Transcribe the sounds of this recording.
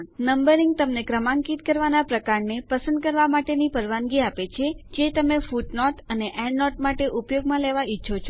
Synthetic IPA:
nəmbəɾiŋɡ̚t̪əmnekɾəmãŋkit̪kəɾʋanapɾəkaɾnepəsə̃nd̪̚kəɾʋamaʈenipəɾʋanɡiapet͡ʃʰed͡ʒet̪əmefuʈnɔʈəneʔɛ̃ɳɖnɔʈmaʈeʔupjoɡmãleʋaitːʃʰot͡ʃʰo

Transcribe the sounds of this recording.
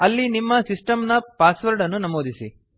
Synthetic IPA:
ɐlːinimːɐsisʈɐmnɐpaːsʋɐɾɖɐnːunɐmoːd̪isi

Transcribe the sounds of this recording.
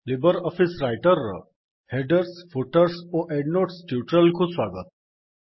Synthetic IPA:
libəɾɔfisɾajʈəɾ̰ | heɖəɾsfoʈəɾsoʔeɖnoʈsʈjuʈɾəlkʰuːsʋaɡət̪̚

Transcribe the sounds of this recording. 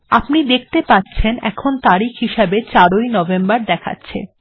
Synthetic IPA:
apnid̪ek̚ʰt̪epatːɕʰenɛ̰kʰont̪aɾikʰɦiʃabet͡ɕaɾojnɔvembaɾd̪ɛkʰa̰tːɕʰḛ

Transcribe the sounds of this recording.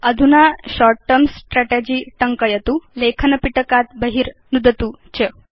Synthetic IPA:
əd̪ʱunaɕɔɾʈʈəmsʈɾæʈed͡ʑiːʈəŋkəjət̪ulekʰənəpiʈəkat̪̚bəɦiːɾnud̪ət̪ut͡ɕə

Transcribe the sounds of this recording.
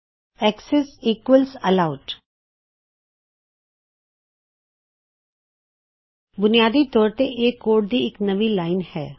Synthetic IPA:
ɛːksɛsiːkwəlsəlaʊʈ | bʊnijaːd̪it̪ɔːɾt̪eʔeːkːoːʈ̚d̪iɪknɐʋilaːɪnhɛ̰ː

